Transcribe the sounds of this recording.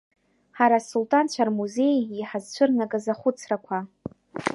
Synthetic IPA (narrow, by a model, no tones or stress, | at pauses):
ħaɾasultʼant͡ɕʷʰarmuze̞jiħazt͡ʃʷʰɨrnakʼazaχʷʊt͡sʰrakʷʰa